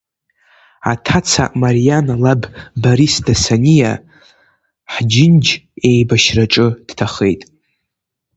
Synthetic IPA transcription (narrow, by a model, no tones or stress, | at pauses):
a̰tʰat͡sʰa̰ʔmaɾijanalabbaɾisdasanʲija | ħd͡ʒɪnd͡ʒe̞jbaʃraʈ͡ʂʼɨd̥tʰaχe̞̰jtʼ